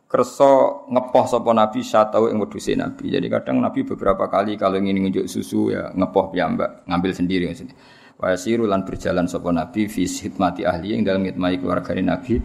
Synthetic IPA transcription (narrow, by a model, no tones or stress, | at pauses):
kərsɔŋəpɔhsɔpɔnab̥isat̪auʔɪ̰ŋwəd̥usḛna̰b̥id͡ʒa̰dika̰d̥aŋnab̥ib̥əb̥əɾapakalikaloŋinɪŋund͡ʒʊʔsṵsuja̰ŋəpɔhpiamba̰ʔŋambɪlsəndiɾiŋəsin | wa̰jasiɾulanb̥ərd̥ʒ̥alansɔpɔnab̥ifishit̪̚mat̪iʔahliɪŋdaləmɪt̪̚maikəlṵwa̰rɡ̥anenab̥i